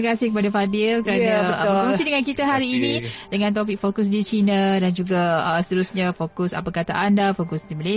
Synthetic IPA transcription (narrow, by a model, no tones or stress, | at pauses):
kasɪhkəpadafabɪlkəɾanakɔŋsidəŋankit̪aɦaɾiːnĩdəŋãnt̪opɪk̚fokʊs̬dit͡ʃinadand͡ʒuɡaəsə̥t̪əɾusɲãfokʊsa̰pəkat̪a̰ʔandafokʊsdiməle